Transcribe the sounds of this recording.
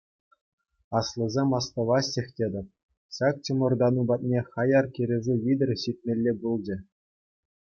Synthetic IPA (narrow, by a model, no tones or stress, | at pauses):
ɑslˠɤ̆zʲemʲɑst̪ɤ̆ʋɑsʲexʲtʲed̪ʲɘ̆p̚ | ɕɑk̚t͡ɕɤ̆mɤ̆rd̪ɑnubɑt̪̚ʲnʲeχɑjɑrkʲiɾʲĕʐɘʋʲid̪ʲɘ̆rʲɕit̪̚ʲmʲelʲːebulˠd͡ʑɘ̆